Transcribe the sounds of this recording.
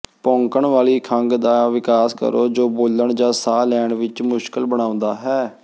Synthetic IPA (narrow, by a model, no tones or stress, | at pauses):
pɔ̃ːŋkəɳʋaːliːkʰəŋɡd̪aːʋɪkaːskə̰ɾo̰ːd͡ʒoːboːləɳd͡ʒãːsaːlɛːɳʋɪt͡ʃmʊʃkəlbəɽ̃aːʊ̃nd̪aːɦɛː